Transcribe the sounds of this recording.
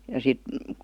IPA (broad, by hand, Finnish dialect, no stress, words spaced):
jɑ sit